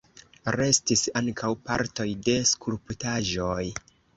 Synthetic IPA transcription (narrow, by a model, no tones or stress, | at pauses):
ɾe̞stisaŋkʰawpa̰ɾto̞jde̞skulputaʒoj